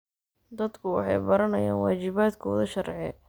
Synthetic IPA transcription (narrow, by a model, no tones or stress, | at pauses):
d̪ɐd̪kʰʊwɑ̰ħɑ̰jbɐɾɐnɐjaːnwaːt͡ʃɪβaːd̪kʰɔðɐʃɐrʕɛ